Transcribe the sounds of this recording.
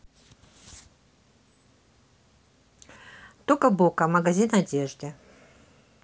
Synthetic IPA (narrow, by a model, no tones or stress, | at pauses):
t̪okəbokɐmɐɡazʲinadʲeʐd̪ɨ